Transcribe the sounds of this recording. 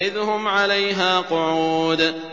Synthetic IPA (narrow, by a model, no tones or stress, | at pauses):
ʔɪðhʊmʕalajɦaːqʊʕuːd̪